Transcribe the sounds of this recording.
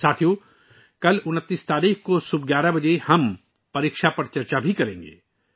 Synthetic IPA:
saːt̪ʰju | kɐlʊnət̪ːiːst̪aːɾiːxkosʊbɡjaːɾabɐd͡ʒehɐm | pɐɾiːkʃapɐɾt͡ʃɐɾt͡ʃabʱikɐɾẽːŋɡḛː

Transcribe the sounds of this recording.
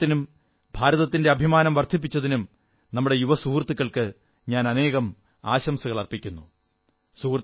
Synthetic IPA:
t̪ːinum | bʱaːɾɐðɐt̪ːinde̞ɐbʱimaːnɐmʋɐrd̪ʱip̬ːit͡ɕːɐðinum | nɐmːuɽe̞juʋɐsuːrt̪ːikːɐɭkɨ | ɲaːnɐne̞ːɣɐm | aːɕɐmsɐɣɐɭɐrpikʲːunːu | suːrt̪

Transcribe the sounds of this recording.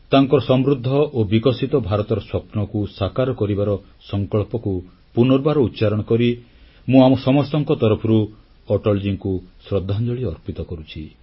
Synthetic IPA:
t̪aŋkɔɾɔsɔmɾud̪ʱːɔʔobikɔsit̪ɔbʱaɾɔt̪ɔɾɔswɔpnɔkusakaɾɔkɔɾibaɾɔ | sɔŋkɔɭpɔku | punɔɾbaɾɔut̪ːʃaɾɔɽ̃ɔkɔɾi | mũamɔsɔmɔst̪ɔŋkɔt̪ɔɾɔpʰɔɾu | ɔʈɔld͡ʒiŋkusɾɔd̪ʱːand͡ʒɔɭiɔɾpit̪ɔkɔɾut͡ʃʰi

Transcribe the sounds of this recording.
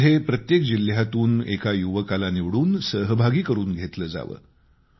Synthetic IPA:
ɦepɾət̪jekd͡ʑil̤jat̪uːnekajuʋəkalaniʋɽuːnsəɦəbʱaɡiːkəɾuːnɡʱet̪ləːd͡za̰ʋə̰ː

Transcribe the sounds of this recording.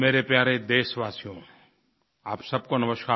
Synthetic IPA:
meːɾepjaːɾed̪eːsʋaːsijõ | aːpsɐb̚konɐməʃkaː

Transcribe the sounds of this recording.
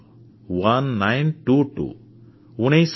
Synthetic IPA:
wanːajnʈuʈṵ | unes

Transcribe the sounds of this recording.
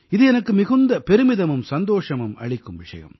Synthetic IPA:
ɪðɯɛnɐkːɯmɪɣɯnd̪ɐpɛɾɯmɪðɐmɯmsɐnd̪oːʂɐmɯmɐ̰ɭɪkːɯmʋɪʂɐ̰jɐ̰m

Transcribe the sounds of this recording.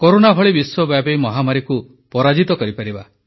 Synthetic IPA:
koɾonabʱɔɭibiswɔbjabejmɔɦamaɾiku | pɔɾad͡ʒit̪ɔkɔɾipaɾiba

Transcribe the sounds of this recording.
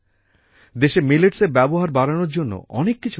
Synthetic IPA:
d̪eʃemileʈseɾbɛboɦaɾbaɾanoɾd͡ʑonːo̰ʔɔ̰nekːit͡ɕʰu

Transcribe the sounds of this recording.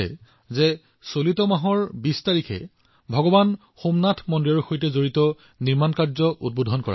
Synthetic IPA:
ɛ̰ | zɛ | solitɔmaɦɔɹbistaɹikʰɛ̰ | bʱɔɡɔban | xomnatʰmɔndiɔɹxojtɛzoɹitɔ | niɹmankaɹzɔʔṵd̚bodʱɔnkɔɹa̰

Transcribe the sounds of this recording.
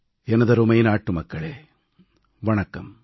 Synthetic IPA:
ɛnɐðɐɾumɐjnaːʈːɯmɐkːɐɭeː | ʋɐɳɐkːɐm

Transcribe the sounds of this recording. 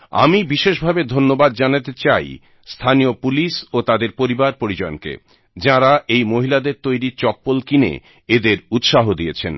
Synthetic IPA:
a̰mibiʃeʃbʱabed̪ʱonːobad̪̚d͡ʑanat̪et͡ɕaj | st̪ʰaniopulisot̪ad̪eɾpoɾibaɾpoɾid͡ʑɔonkḛ | d͡ʑãɾaʔejmoɦilad̪eɾt̪ojɾit͡ɕɔpːolkinḛ | ed̪eɾut̪ʃaɦod̪iet͡ɕʰen

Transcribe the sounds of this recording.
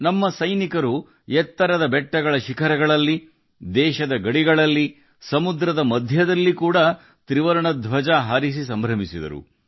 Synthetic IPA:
nɐmːɐsɐjnikɐɾu | jɛt̪ːɐɾɐd̪ɐbɛʈːɐɡɐɭɐʃikʰɐɾɐɡɐɭɐlːi | d̪ɛːʃɐd̪ɐɡɐɽiɡɐɭɐlːi | sɐmud̪ɾɐd̪ɐmɐd̪ʱjɐd̪ɐlːikuːɽɐ | t̪ɾiʋɐɾɐɳɐd̪ʱʋɐd͡ʒaːɦaːɾis̬isɐmbʱɾɐmisid̪ɐ̰ɾṵ

